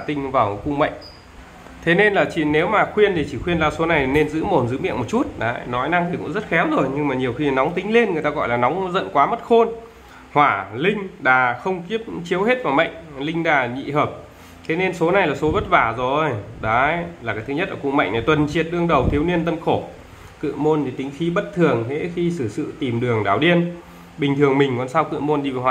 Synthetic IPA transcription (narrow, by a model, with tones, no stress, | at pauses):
t̪ï˧ŋ̟vaː˨˩wkʊ̰˧ŋ͡mmə̰˧˨jŋ̟ | t̪ʰe˨˦ne˧nlaː˨˩t͡ɕḭ˧˨ne˨˦wmaː˨˩xwi˧ənt̪ʰi˨˩t͡ɕi˧˩xwi˧ənzaː˧˩so˨˦na˨˩jʰi˨˩ne˧nzɨ̰˧˥mo˨˩nzɨ˨˦mḭ˧˨ənmo˨˩t̚t͡ɕu˦˥t̚ɗaː˨˦˧nɔ˨˦jna˧ŋt̪i˨˩kʊ̰˧˥ŋ͡mzə˦˥t̚xɛ˨˦wzo˨˩jɲɨ˧ŋmaː˨˩ɲi˨˩əwxi˧˨˩nɔ˨˦wŋ͡mt̪ï˨˦ŋ̟le˧nŋɨ˨˩əjt̪aː˧ɣɔ̰˧˨jlaː˨˩nɔ˨˦wŋ͡mzə̰˧˨nkwaː˨˦mə˦˥t̚xo˧n | hwaː˧˩lï˧ŋ̟ɗaː˨˩xə˧wŋ͡mki˦˥əp̚t͡ɕi˨˦əwɦe˦˥t̚vaː˨˩wmə̰˧˨jŋ̟lï˧ŋ̟ɗaː˨˩ɲḭ˧˨həː˨˩p̚ | t̪ʰe˨˦ne˧nso˨˦na˨˩jlaː˨˩so˨˦ɓə˦˥t̚vaː˧˩zo˨˩ʔjɗa˨˦jlaː˨˩kaː˨˦jt̪ɨ˨˦ɲə˦˥t̚ʔəː˧˩kʊ̰˧˨ma̰˧˨jŋna˨˩jt̪wə˨˩nt͡ɕi˨˩ət̚ɗɨ˧əŋɗə˨˩wt̪ʰi˨˦əwni˧ənt̪ə˧nxo˧˩ | kɨ̰˧˨əmo˧nti˨˩t̪ï˨˦ŋ̟xi˨˦ɓə˦˥t̚t̪ʰɨ˨˩əŋɦḛ˧˥xi˧sɨ˧˩sɨ̰˧˨t̪i˨˩mɗɨ˨˩əŋɗa̰ː˧˩wɗi˧ən | ɓï˨˩ŋt̪ʰɨ˨˩əŋmï˨˩ŋ̟kɔ˨˩nsaː˧wkɨ̰˧˨mo˧nɗi˧vaː˨˩whwaː˨